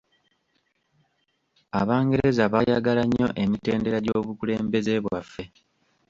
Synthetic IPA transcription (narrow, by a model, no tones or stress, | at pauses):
aβaːŋɡe̞ɾe̞zaβajaɡalaɲːo̞ʔe̞mite̞ːnde̞ɾaɟo̞ːβukule̞ːmbe̞ze̞βwafːe̞